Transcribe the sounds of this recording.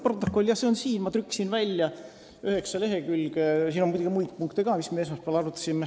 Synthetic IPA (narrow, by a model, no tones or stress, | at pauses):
prot̪ːˑo̞kːˑolʲːjɑhse̞o̞nsiːnmɑt̪ɾykːˑsinvælʲjɑ | yhe̞ksɑle̞ɦe̞kylɡ̥esiːnomud̪ʲuɡimujt̪puŋkt̪eɡɑːmismees̬mɑspeæɑlɑɾut̪ːˑɑ̥simːe